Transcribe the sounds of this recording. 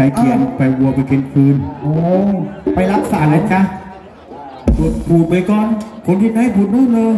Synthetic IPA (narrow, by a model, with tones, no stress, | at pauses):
a˧jki˨˧˩ənpa˨˧˩jwu˧ɐpa˧jkʰi˧nfʰɯː˧nʔoː˧˦˨pa˧jla˦˥k̚saː˨˩˦na˨˦jkʰa˦˧˥ | pʰɯː˨˩t̪̚pʰuː˨˩t̪̚pa˧jkɔː˧nkʰo˧˦nt̪ʰi˧ma˧˥ha˥˩pʰu˨˩t̪̚nuː˥˩lɤː˧